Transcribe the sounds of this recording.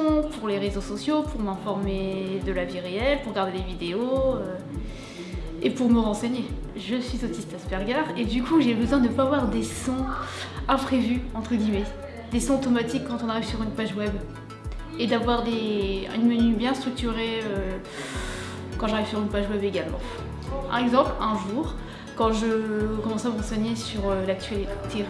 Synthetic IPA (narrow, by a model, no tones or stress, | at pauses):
ɔ̃puʁleʁezosɔsjopʰuʁmɛ̃fɔʁmed̪əlaviʁeɛlpuʁɡaʁd̪elevid̪eoø | epuʁməʁɑ̃seɲe | ʒəsɥizot̪ist̪aspɛʁɡaʁed̪ykʰuʒebəzwɛ̃d̪əpavwaʁd̪esɔ̃ɛpχevyɑ̃t̪χəɡʲimɛ | d̪esɔ̃t̪ɔmat̪ikːɑ̃t̪ɔ̃naʁivsyʁynpaʒwɛb | ed̪avwaʁd̪ey̰nmənybjɛ̃st̪χyk̚t̪yʁeø | kɑ̃ʒaʁiv̥syʁynpaʒwɛbeɡalmɑ̰̃ | ɛɡzɑ̃plɛ̃ʒuːʁ | kɑ̃ʒəkɔmɑ̃saməʁɑ̃seɲesyʁølak̚t̪ɥalit̪e